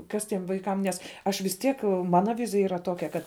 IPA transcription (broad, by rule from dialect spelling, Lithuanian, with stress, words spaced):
ˈkɐs ˈtʲiɛm ʋɐɪˈkɐm ˈnʲɛs ˈɐʃ ʋʲɪs ˈtʲiɛk ˈmɑːnɐ ˈʋʲɪzʲɪjɛ ˈiːrɐ ˈtoːkʲɛ ˈkɐt